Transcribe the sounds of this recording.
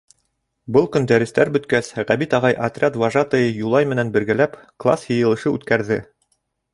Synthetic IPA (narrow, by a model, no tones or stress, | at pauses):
bɤlˠkɵ̆nd̪æɾɘ̆st̪æɾbɵ̆t̪kæsʁæβit̪ɑʁɑjʔɐt̪rʲat̪vɑʒɑt̪ɤjɤjulˠɑjmɘ̆nænbɘ̆ɾɡælæpklˠɑ̰sjɤ̆jɤ̆lˠɤ̆ʃɤʉt̪kæɾðɘ